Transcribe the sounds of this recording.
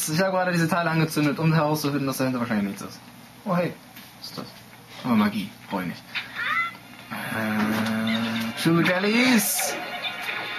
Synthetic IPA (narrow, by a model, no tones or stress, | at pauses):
sɪçhaːbəɡʁaːɾədiːzətʰaɪləanɡət͡sʏndətʊmhɛʁaʊst͡sufɪndn̩dasd̥hɛntəvaɐʃaɪlɪçmɪçt͡sɪ̰s | ʔohɛː | ɪ̥sta̰s | ʔabɐmaɡiːfʁ̥ɔːɪmɪ̰ç | ʔɛ | tuːdɛlis